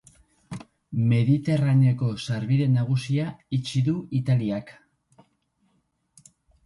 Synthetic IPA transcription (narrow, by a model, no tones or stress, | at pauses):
me̞ðit̪e̞ranoko̞saɾβiðe̞naɣ̞usiait͡ʃiðuit̪aliak